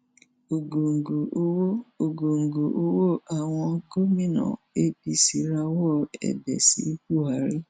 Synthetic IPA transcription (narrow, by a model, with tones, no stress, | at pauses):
o˨ɡo˨ŋ̩˨ɡo˨o˦wo˦o˨ɡo˨ŋ̩˨ɡo˨ʔo˦wo˦ʔa˨w̃ɔ̃˧ɡo˦mĩ˦nɔ̰̃˨ | e˦bi˧si˨ɾa˧wɔ˦˨ɛ̰˨bɛ̰˨sḭ˨˦ku˦a˨˦ɾi˦